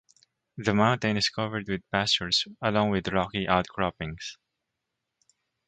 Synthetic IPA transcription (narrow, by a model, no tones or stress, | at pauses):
ðəmãʊ̃nt̪ɛ̃nɪskʰʌvɛɹd̪wɪd̪̚pæst͡ʃɔɹsɐlɔ̃ŋwɪd̪ɹɔkiʔaʊt̪̚kʰɹɔpɪ̃ŋs